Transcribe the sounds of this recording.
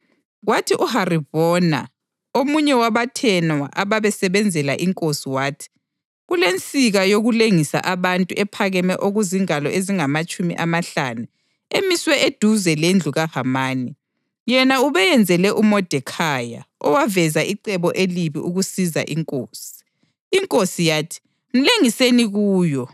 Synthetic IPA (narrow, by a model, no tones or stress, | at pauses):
ɣwatʰiʔuhariβɔna̰ | omuɲɛwaβatʰɛnwa̰ʔaβaβɛsɛβɛnd͡zʱɛlaʔiŋkʼosiwaːtʰi̥ | ɣulent͡sʼiɣajoɣuleŋisa̰ʔaβantʼuʔɛpʰaɣɛmɛʔoɣuziŋalɔʔeziŋamat͡ʃʼumḭʔamaɬanu | emiswɛed̥ʱuzɛlend͡ɮʱuɣahamaːni | jɛnauβɛjɛnd͡zʱɛlɛʔumɔd̥ʱɛkʰaja̰ɔwavɛzaʔiǀɛβɔʔeliβiʔuɣusiza̰ʔiŋkʼoːsi̥ː | ŋkʼosijaːtʰi̥ | m̩leŋiseniɣuːjɔ